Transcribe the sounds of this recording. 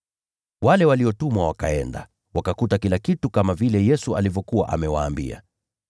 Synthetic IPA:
walɛwaliɔtumwawaka̰ɛnda̰ | wakakutakilakitukamavilɛjɛsua̰livjɔkuwa̰ʔa̰mɛwa̰ːmbḭa̰

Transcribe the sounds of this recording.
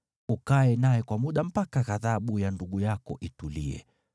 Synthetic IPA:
ukaɛnajɛkwamuɗam̩pakaɣaðaɓujanduɠujakɔ̰ʔituliɛ̰

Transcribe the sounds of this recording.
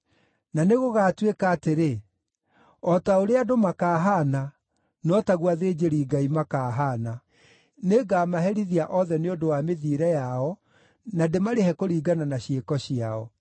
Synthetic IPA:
naneɣoɣaːtwekaːteɾe | ɔtaoɾeadomakaːɦana | nɔtaɣwaðeːd͡ʑeɾiːɡaimakaːɦaːna | neɡaːmaɦɛɾiðiaʔɔðɛneodowameðiːɾɛjaɔ | nademaɾeɦɛkoɾiːɡananaɕjekɔɕiaɔ̰

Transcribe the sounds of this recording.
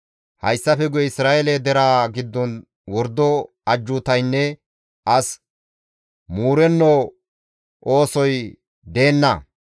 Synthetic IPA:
hɐ̰jsːɐfɛɡʊjɛɪsɾaːeled̪ɛɾaːɡɪd̪ːɔn | wɔɾd̪ːɔ | ɐd͡ʒːʊːt̪ɐjnːɛ | ʔɐs | muːɾɛnːo | ʔo̞ːsɔj | d̪e̞ːnːɐ

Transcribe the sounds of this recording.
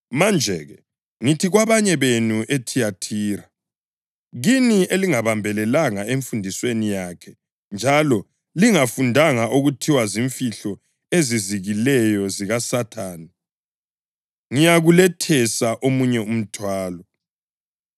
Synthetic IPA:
mand͡ʒʱɛɣɛ | ŋitʰiɣwaβaɲɛβenuʔetʰijatʰiːɾa | ɣinieliŋaβambʱɛlɛlaŋaeɱfundʱiswenijakʰɛ | nd͡ʒʱalɔ | liŋafundʱaŋaʔuɣutʰiwaziɱfiɬɔ | eziziɣilɛjɔziɣasatʰaːni | ŋijaɣulɛtʰɛsaʔomuɲɛum̩tʰwaːlɔ

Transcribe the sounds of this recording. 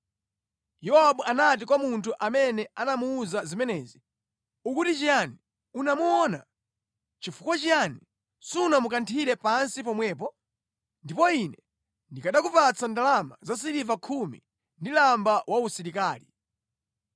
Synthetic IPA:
jɔaɓuanat̬ikwamuntʰuʔamɛnɛanamuːzazimɛnɛːzi | ukutit͡ʃijani | unamuɔːna | t͡ʃifukwat͡ʃijani | sunamukantʰiɾɛpansip̬ɔmwɛːp̬ɔ | ndipɔinɛ | ndikaɗakupat͡sandalamazas̬iɾivakʰumḭ | ndilambawausiɾikaːlḭ

